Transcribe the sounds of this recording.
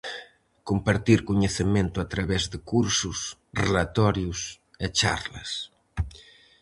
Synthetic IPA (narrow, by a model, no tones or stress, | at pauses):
kompaɾt̪iɾkoɲeθemẽnt̪ʊat̪ɾaβɛzðekuɾsusrelat̪ɔɾjus | et͡ʃa̰ɾlɐ̰s